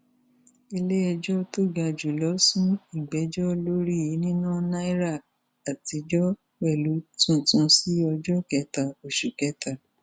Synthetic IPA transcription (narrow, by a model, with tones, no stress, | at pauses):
e˧le˦ɛ˧d͡ʒɔ˦to˦˨ɡa˧d͡ʒu˨lɔ˨˦sũ˦i˦˨ɡ͡bɛ˨˦d͡ʒɔ˦lo˦ɾi˦˨ji˨˦nĩ˦nãː˦˨na˦i˦ɾa˦˨ | a˨ti˨˧d͡ʒɔ˦ | wɛ˦˨lu˨˦tũ˦˨tũ˨˧si˦ɔ˧d͡ʒɔ˦kɛ˨˧˦ta˨o˨ʃu˨kɛ˨˦ta˨